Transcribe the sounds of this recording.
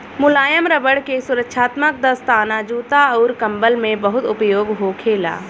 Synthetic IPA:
mʊlaːjəmɾəbəɽkesʊɾəkʃʰaːt̪mək̚d̪əst̪aːnad͡ʒuːt̪aɔːɾkɐ̃mbəlmẽbəɦʊt̪ʊpjoːɡɦokʰeːla̰ː

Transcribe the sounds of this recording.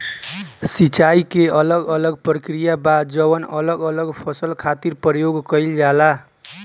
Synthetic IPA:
sit͡ʃaikeələɡələɡpɾəkɾijabad̪d͡ʒəβənələɡələɡpʰʌsəlkʰat̪iɾpɾəjoɡkəild͡ʒala

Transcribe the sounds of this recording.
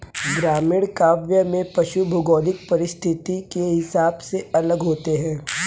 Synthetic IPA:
ɡɾaːmɪɽkaːʋjəmẽpɐʃubʱʊɡɔːlɪk̚pɐɾɪst̪ʰɪt̪ikeɦɪsaːbseɐləɡɦoːt̪eɦɛ̃ː

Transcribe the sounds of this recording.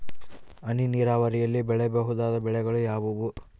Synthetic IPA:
ɐniniːɾaːʋɐɾijɐlːibɛɭɛbeɦud̪aːd̪ɐbɛɭɛɡɐɭujaːʋuʋu

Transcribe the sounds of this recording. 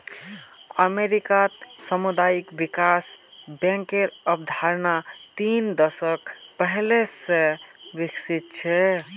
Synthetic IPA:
əmeɾikat̪səmud̪ajikbikas | bɛ̃ŋkeɾəbd̪ʱaɾnat̪ind̪əsəkpəɦlesẽbiksit̪̚t͡ʃʰɛ

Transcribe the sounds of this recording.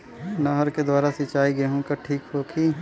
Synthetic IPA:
naɦəɾked̪waːɾasit͡ʃaːiɡɐɦũkaʈʰiːkɦoːkʰi

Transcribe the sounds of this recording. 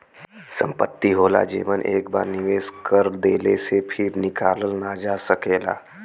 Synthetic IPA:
sə̰̃mpət̪ːiɦoːla̰d͡ʒḛːʋənʔeːkbaːɾnɪʋeːskəɾd̪eːlesepʰɪɾnɪkaːləlnad͡ʒaːsəkeːla̰ː

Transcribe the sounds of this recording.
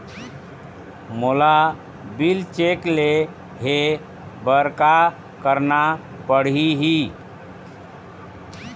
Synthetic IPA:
mola | bilt͡ʃekle | ɦe | bəɾka | kəɾna | pəɽ̤iɦi

